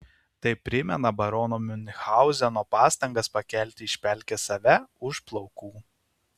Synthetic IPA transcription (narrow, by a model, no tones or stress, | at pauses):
t̪ɐɪpʲːɾʲɪmʲɛnɐbɐɾɔːnomʲʊnʲxɑˑʊzʲɛnoːpɑːst̪ɐŋɡɐspɐkʲɛlʲt̪ʲɪɪʃʲpʲɛˑlʲkʲɛsɐʋʲɛʊʃplˠɒʊkuː